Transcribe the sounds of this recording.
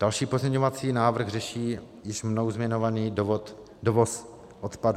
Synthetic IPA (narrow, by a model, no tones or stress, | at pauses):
d̥alʃiːpozmɲɛɲovat͡siːnaːvɾr̩ɣrɛʃiː | jɪʃmnowzmɲɛɲovaniːt̪ | dovos | ʔot̪padu